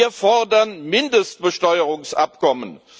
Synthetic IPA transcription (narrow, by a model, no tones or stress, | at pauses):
ɐfɔʁdɐnmɪndəst̚b̥əʃtɔʏəʁʊŋsʔa̰pkɔmə̰n